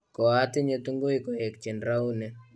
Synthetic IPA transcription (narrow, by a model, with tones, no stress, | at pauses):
kɔ˨a˦tɪ˦ɲe˦tu˦ŋɡo˦i˦kɔ˨ɛ˨kt͡ʃɛ˨nɾa˦u˦nɛ˨